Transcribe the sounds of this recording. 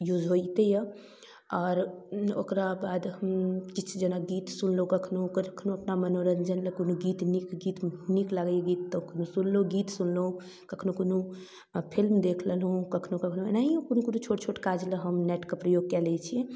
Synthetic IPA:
jud͡ʒɦojt̪ejə | ɔːɾo̰kɾabad̪ɦəmt͡ʃit͡ʃʰd͡ʒenaɡit̪sunlokəkʰnokəɾəkʰnoəpnamənoɾənd͡ʒənləkonuɡit̪nikɡit̪niklaɡəjɡit̪ːɔkonusunloɡit̪sunlo | kəkʰnokonu | pʰilmd̪ekʰləlɦũkəkʰnokəkʰnoenaĩkonukonut͡ʃʰoʈt͡ʃʰoʈkad͡ʒləɦəmnɛʈkepɾəjoɡ̚kɛlɛt͡ʃʰĩ

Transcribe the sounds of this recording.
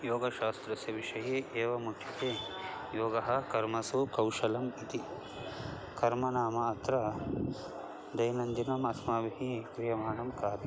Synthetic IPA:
joːɡɐʃaːst̪ɾɐsɐʋiʃɐjeːʔeːʋɐmukʰʃɐt̪eː | joːɡɐɦɐkɐɾmɐsukɐwʃɐlɐmit̪i | kɐɾmɐnaːmɐːt̪ɾɐ | d̪ɐjnɐnd̪inɐmɐsmaːbʱiɦikɾijɐmaːɳɐmkaːt̪i

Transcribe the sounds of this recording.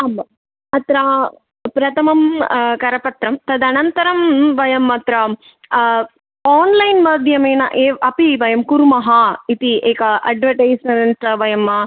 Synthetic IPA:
ɐmːɐ | ɐt̪ɾa | pɾɐt̪ʰɐmɐmkɐɾɐpɐt̪ɾɐmt̪ɐd̪ɐnɐnt̪ɐɾɐmʋɐjɐmːɐt̪ɾɐ | aːnlɐjnmɐd̪ʱjɐmeːnɐ̰ʔeːɐpiʋɐjɐmkuɾmɐɦɐit̪ieːkɐʔɐ̰ɖʋɐʈɐjsɐnɐntɾɐʋɐjɐmɐ

